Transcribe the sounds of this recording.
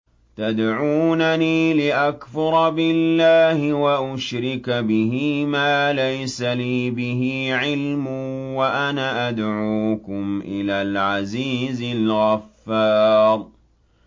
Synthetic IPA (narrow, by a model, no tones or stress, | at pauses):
t̪ad̪ʕuːnaniːlɪʔakfʊɾˤɑbɪlːaːhɪwaʔʊʃɾɪkabɪhiːmaːlajsaliːbɪɦiːʕɪlmʊːwaʔanaːʔad̪ʕuːkʊmʔɪlaːlʕaziːzɪlɣɑfːɑːɾˤ